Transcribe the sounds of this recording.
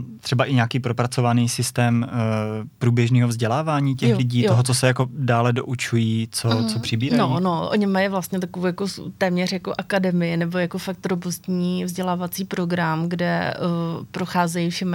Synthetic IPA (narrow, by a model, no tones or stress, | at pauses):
t̪r̥ɛbaʔɪɲaːkiːpɾopɾat͡so̞vaniːsɪst̪ɛːm | pɾuːbjɛʒniːɦovzɟɛlaːvaːɲiːcɛxlɪɟiːt̪oɦot͡sosɛjakodaːlɛdo̰ʔut͡ʃujiːt͡sot͡sopr̥ɪbiːɾanonoʔo̰ɲɪmajivlast̪ɲɛt̪akovowjakost̪ɛːmɲɛrjako̞ʔakadɛmɪjɪnɛbo̞jakofak̚t̪ɾobust̪ɲiːvzɟɛlaːvat͡siːpɾo̞ɡɾamɡdɛ̰ | pɾoxaːzɛjifʃɛm